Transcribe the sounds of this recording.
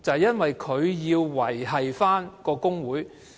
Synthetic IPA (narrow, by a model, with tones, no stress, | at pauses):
t͡sɐ˨jɐ˥nwɐ˨jkʰɵ˨˧ɥjiː˧wːɐ˨˩jɦɐ˨jfaː˥nkɔː˧kʊ˥ŋwuː˨˥j